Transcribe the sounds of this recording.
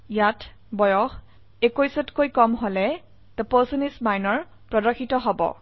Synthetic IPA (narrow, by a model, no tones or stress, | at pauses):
jatbɔjɔx | ekojsɔtkojkɔmɦolɛ | d̥əposunismajnɔɹ | pɹɔdɔxʰitɔɦɔbɔ̰